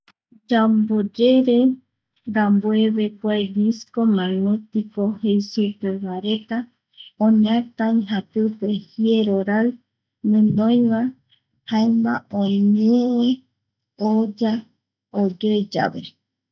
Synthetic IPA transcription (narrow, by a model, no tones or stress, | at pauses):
d͡ʒambod͡ʒeɾe | d̪amboeβe̞kʷajβiskomãnũt̪ikohejsupeβaɾe̞t̪a | õɲãt̪ãĩɦat̪ɨpehieɾoɾaɨ | nɨ̃nd̪õj̃ʋa | haemba̰õɲee | od͡ʒa | od͡ʒod͡ʒa̰βḛ